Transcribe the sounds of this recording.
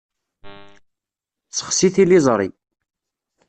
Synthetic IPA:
t͡sːə̥χsiθilizˤɾˤḭ

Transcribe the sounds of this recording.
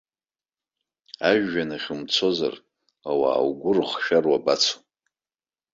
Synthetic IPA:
aʒːanaχʲʊmt͡sʰo̞za̰r | awa̰ːwɡʷʊrχʃᶣarwabat͡sʰo̥

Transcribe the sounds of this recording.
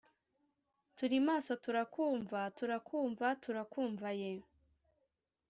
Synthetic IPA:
tuɾimaːso̞tuɾakuːɱvatuɾakʰuːɱvatʰuɾakuːɱvaje

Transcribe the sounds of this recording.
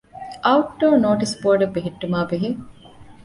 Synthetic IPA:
ʔɐuʈ̚ɖoːɾnoːʈisboːɖɐbːeɦiʈːumaːbeɦi

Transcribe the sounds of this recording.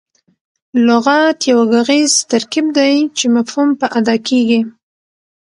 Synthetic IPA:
lʊɣat̪jawaɡaɣiz̥t̪aɾkib̚d̪ajt͡ʃemafhumpəʔad̪ɑkeɡi

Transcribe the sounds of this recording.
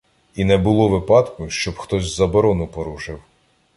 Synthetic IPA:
inɛbʊlˠɔʋɪpɑt̪kʊʃt͡ʃɔbxt̪ɔzʲzɐbɔɾɔnʊpɔɾuʒɪw

